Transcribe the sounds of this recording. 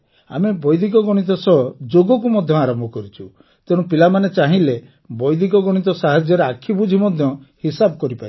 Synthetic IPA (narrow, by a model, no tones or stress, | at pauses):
a̰mebɔjd̪ik̬ɔɡɔɽ̃it̪̬ɔsɔd͡ʒoɡɔk̬umɔd̪ʱjɔaɾɔmbʱɔkɔɾit͡ʃʰu | t̪eɽ̃ũpilamanet͡ʃaɦĩle | bɔjd̪ikɔɡɔɽ̃it̪̬ɔsaɦad͡ʒjɔɾeakʰibud͡ʒʱimɔd̪ʱjɔhisabɔkɔɾipa